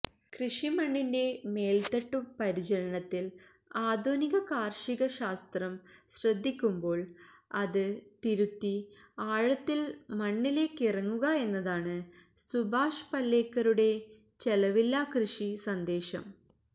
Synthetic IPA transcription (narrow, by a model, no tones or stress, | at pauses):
krɨʂimɐɳːinde̞me̞ːlt̪ɐʈːupɐɾit͡ɕɐɾɐɳɐt̪ːil | aːd̪ʱoːniɣɐkaːrʂiɣɐɕaːst̪rɐmɕrɐd̪ʱːikʲːumbo̞ːɭɐðɨt̪iɾut̪ːiaːɻɐt̪ːilmɐɳːile̞kːirɐŋːuɣɐe̞nːɐðaːɳɨ | subʱaːʂpɐlːe̞ːkːɐɾuɽe̞ | t͡ɕe̞lɐʋilːɐkrɨʂisɐnd̪e̞ːɕɐ̰m